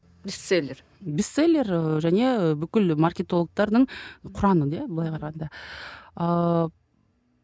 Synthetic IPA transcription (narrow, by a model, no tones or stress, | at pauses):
bisselʲːeɾ | bist̪ːselʲːe̞rʒæne̞bʏkʲɪlmarkʲe̞t̪olˠək̚t̪ɑɾd̪əɴqʰʊɾɑnəd̪ebəlˠɑjqʰɑɾɑʁɑnd̪ɑ | ə